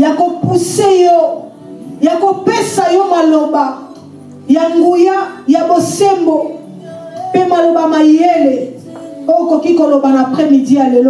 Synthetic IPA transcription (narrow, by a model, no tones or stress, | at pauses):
jakopusejɔ | jakopesajɔmaloba | jaŋɡujajabosembo | pemalobamajele | ojokokikolobanapχɛmidijalelo